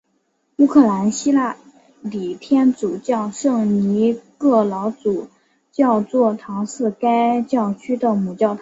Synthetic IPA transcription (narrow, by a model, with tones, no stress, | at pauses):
u˥kʰɤ˥˩la˧˥nɕi˥la˥˩ | li˨˩t̪ʰjɛ˥nt͡su˨˩t͡ɕjɑ˥˧ʊʂɤ˥˩ŋni˧˥kɤ˥˩lɑ˧˥ʊt͡su˨˩ | t͡ɕjɑ˥˧ʊt͡swɔ˥˩t̪ʰɑ˧˥ŋʂɹ̩˥˩ka˥ɪt͡ɕjɑ˥˩ʊt͡ɕʰy˥d̪ə˨mu˨˩t͡ɕjɑ˥˩ʊt̪ʰ